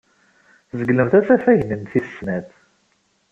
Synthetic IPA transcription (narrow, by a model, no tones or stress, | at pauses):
zəɡləmθæt͡sæfæʝnənθisnæθ